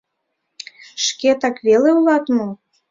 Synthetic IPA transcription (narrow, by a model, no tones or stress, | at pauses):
ʃket̪ɑkβeleulˠɑt̪mɤ